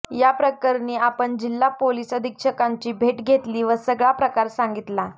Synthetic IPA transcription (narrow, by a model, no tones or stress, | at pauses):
japɾəkəɾniːapəɳd͡ʑilːapoliːsəd̪ʱikʂəkaɲt͡ɕiːbʱeʈɡʱet̪liːʋəsəɡɭapɾəkaɾsaŋɡit̪la